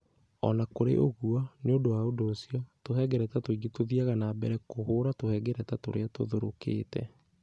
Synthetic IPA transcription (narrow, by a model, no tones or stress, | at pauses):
ɔ̰nakoɾḛʔoɣuaneodowaodoːsiɔtohɛɡɛɾɛtatoiɡitoðiaɣanabɛɾɛkoɦoːɾatohɛːɡɛɾɛtatoɾeato̰ðoɾokḛːtɛ̰